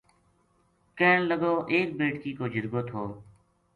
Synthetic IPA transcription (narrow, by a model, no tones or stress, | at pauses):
keːɳləɡoːʔeːk̚beːʈkiːkoːd͡ʒɪɾɡoːt̪ɦoː